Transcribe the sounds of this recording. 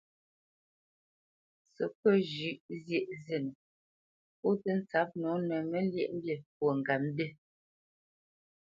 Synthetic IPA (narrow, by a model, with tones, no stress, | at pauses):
sə˨pə˦˨ʒi˨˦ʔzje˦˨ʔze˦˨nə˨ | po˦tə˦n̩˦t͡sa˨˦p̚nɔ˨˦nə˨mə˦ljɛ̰˦ʔm̩˦bje˨pwə˨ŋ˨ɡa˨m˦de˦˨